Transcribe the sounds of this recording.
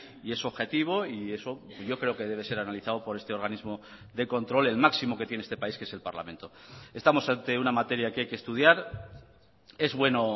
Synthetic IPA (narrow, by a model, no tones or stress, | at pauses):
ie̞so̞βxe̞t̪iβ̞o̞ie̞so̞ | ʝo̞kɾe̞o̞ke̞ð̞e̞β̞e̞se̞ɾanaliθaopo̞ɾe̞st̪e̞o̞ɾɣ̞anizmo̞ | ðe̞ko̞nt̪ɾo̞le̞lmaksimo̞ke̞t̪jnest̪e̞paiskee̞se̞lpaɾla̰mẽ̞nt̪o̞e̞st̪amo̞sant̪e̞unamat̪e̞ɾjakeajkest̪uð̞jaɾ | e̞zβwe̞no̞